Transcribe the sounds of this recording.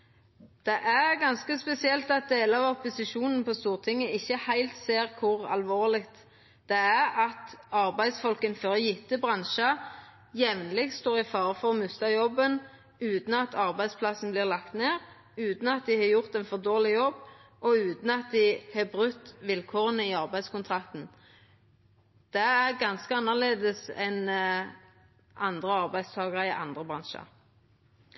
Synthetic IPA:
d̪̥ɛʔæʁɡɑnskəspɛsɪɛlt̪ɑt̪̚d̪eːləɑʋɔpʊsɪʃuːnn̩pʰɔst̪uːʁt̪ʰɪŋːəɪçːəhæɪlt̪seːʁkʰʊʁɑ̰lʋoːʁlɪɡt̪ | d̪̥ɛæʁɑt̪ɑʁbæɪd̪sfɔlkənføːʁɔjɪt̪ːəbʁɑnʃɑ | jɛʋnlɪɡ̪̚st̪oːʁɪfɑːʁəfɔʁɔmʉst̪ɑjɔbːən | ʉːt̪n̩ɑt̪ʰɑʁbæɪspʰlɑsn̩blɪːʁlɑkt̪neːʁ | ʉːt̪n̩ɑt̪̚d̪ɪhɑːjʊʁt̪ɛnfɔʁd̪oːlɪjɔbːʔɔʉːt̪n̩ɑt̪̚d̪ɪhɑːbʁʉt̪ːʋɪlkʰoːʁənəiɑʁbæɪskʊnt̪ʰʁɑk̚t̪n̩ | d̪̥ɛæʁɡɑnskəɑnːɑʁleːd̪əsɛn | ʔɑnd̪ʁəɑʁbæɪd̪st̪ʰɑːɡʁəɪʔɑ̰nd̪ʁəbʁɑnʃɑ̰

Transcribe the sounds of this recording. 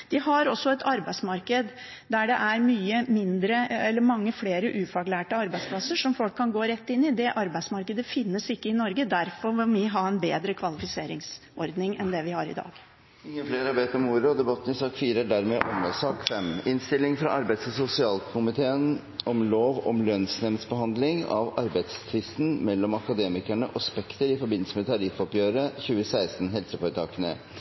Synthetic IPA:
d̪̥ɪɦɑɾɔsːɔɛt̪ʰɑɾbæɪsmɑɾkəd̪ | d̪æɖɛʔæɾmyːəmɪnd̪ɾəɛlːəɾmɑŋːəfleːɾəʔʉːfɑɡlæːʈəɑɾbæɪspʰlɑsːəʂɔmfɔlkʰːɑnɡoːɾɛt̪ːɪnːɪd̪ɛʔɑɾbæɪsmɑɾkəd̪əfɪnːəsɪkːəɪnɔɾɡəd̪æɾfɔɾʋɪlmɪɦɑɛnbeːd̪ɾəkʰʋɑlɪfɪseːɾɪŋs | ʔɔɾd̪nɪŋɛnd̪ɛʋɪhɑɾɪ̰d̪ɑ̰ːɡ̥ | ɪŋːəfleːɾɑɾʋeːt̪əɾɔmuːɾəɔd̪ɛbɑt̪ːn̩ɪsɑːkfiːɾəæɖæɾmeːʔɔməsɑːkfɛmɪnst̪ɪlːɪŋfɾɑ̰ʔɑɾbæɪt̪sɔsʊsɪɑːlkʰʊmɪt̪ʰeːən | ɔmloːʋɔ̰mlœnsnɛmsbəɦɑnd̪lɪŋɑ̰ʋɑɾbæɪt̪st̪ʰɾɪsn̩mɛlːɔmɑkɑd̪eːmɪkæɳəʔɔspɛkt̪əɾɪfɔɾbɪnl̩səmɛt̪ʰɑɾɪfɔpjøːɾəçʉːəsæɪst̪n̩ɦɛlsəpɔɾt̪ʰɑːkənə̰

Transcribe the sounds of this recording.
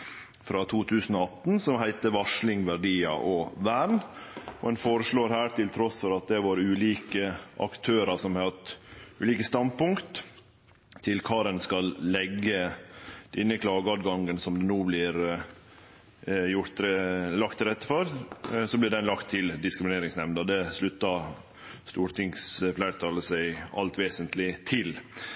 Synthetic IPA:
fɾɑt̪ʰuːt̪ʰʉːsən̩ɔɑt̪ːnsɔmhæɪt̪əʋɑʂlɪŋʋæɖiːɑ̰ʔɔʋæːɾnɔɛnfoːɾəʂɭoːɾhæːɾʈ̪ɪlt̪ʰɾɔsfɔɾɑt̪̚d̪ɛʋɑɾʉːliːkəʔɑ̰kt̪ʰøːɾɑsɔmɑt̪ʉːliːkəst̪ɑnpʊŋkt̪ʰ | ɪlkʰɑːɾɛnskɑlːɛɡːəd̪̥ɛnːəkʰlɑːɡəɑd̪ɡɑŋːənsɔmd̪ɛnuːblɪɾ | jʊɾt̪ɾlɑkt̪ːɪɾɛt̪ːəfɔɾsɔblɪɖɛnlɑkt̪ʰːɪld̪ɪskɾɪmɪneːɾɪŋsnɛmnəd̪ɛslʉt̪ːɑ | st̪uːɾʈ̪ʰɪŋsflæɪɾt̪ʰɑːləsæɪɑ̰lt̪ʋeːsənt̪lɪt̪ʰɪl

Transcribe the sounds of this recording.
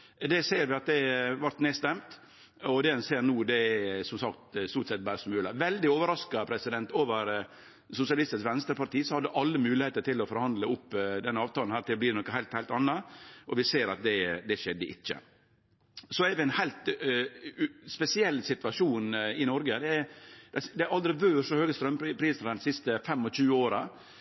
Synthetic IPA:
d̪ɛseːɾʋɪɑt̪̚d̪ɛʋɑɾʈ̪neːst̪ɛmt̪ | ɔd̪ɛɛnseːɾnuːd̪ɛsɔmsɑkt̪st̪uːt̪sɛt̪̚bæːɾsmʉːlɑʋɛld̪ɪoːʋəɾɑskɑpʰɾɛsɪd̪ɛnt̪oːʋəɾ | sʊsɪɑlɪst̪ɪsʋɛnst̪ɾəpɑɾʈ̪iːsɔhɑd̪ːəʔɑlːəmʉːlɪheːt̪əɾʈ̪ʰɪlːɔfɔɾhɑnd̪ləʊpːd̪ɛnːəɑːʋt̪ʰɑːln̩hæːɾt̪ɪbliːɖɛnɔkəhæɪlt̪hæɪlt̪ɑnːɑʔɔʋɪseːɾɑt̪̚d̪ɛd̪ɛʂɛd̪ːəʔɪ̰t͡ʃːə̰ | sɔɛɾʋɪɛnhæɪlt̪ | spɛsɪɛlːsɪt̪ʋɑʂuːnɪnɔɾɡəd̪ɛd̪ɛd̪ɛæɑld̪ɾɪʋøːʂɔhøːɡəst̪ɾœmpɾpʰɾiːsənd̪ɛnsɪst̪əfɛmːɔɕʉːəoːɾɑ

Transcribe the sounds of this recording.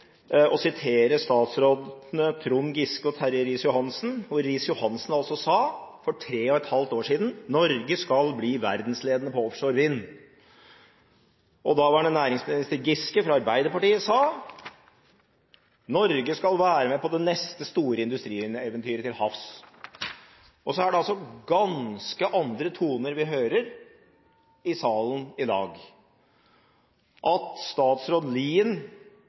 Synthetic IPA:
ɔsɪt̪ʰeːɾəst̪ɑːt̪sɾoːd̪nət̪ʰɾʊnɡɪskəɔt̪ʰæɾəɾɪːsjʊhɑnsn̩hʊɾɪːsjʊhɑnsn̩ɑlsɔsɑːfɔʈʰɾeːɔɛt̪hɑlt̪oːʂiːd̪nnɔɾɡəskɑlbliːʋæɾd̪n̩sleːd̪ənəpɔɔfʂɔɾʋɪnː | ʔɔd̪ɑːʋɑɖɛnæːɾɪŋsmɪnɪst̪əɾɡɪskəfɾɑɑɾbæɪd̪əɾpɑʈiːəsɑː | nɔɾɡəskɑlʋæːɾəmɛpɔd̪ɛnɛst̪əst̪uːɾəɪnd̪ʉst̪ɾiːɛːʋənt̪ʰyːɾət̪ɪlhɑfs | ɔsɔæɖɛɑlsɔɡɑnskəʔɑnd̪ɾət̪ʰuːnəɾʋɪɦøːɾəɾ | ɪsɑːlənɪd̪ɑ̰ːɡ | ʔɑt̪st̪ɑːt̪sɾoːd̪liːən

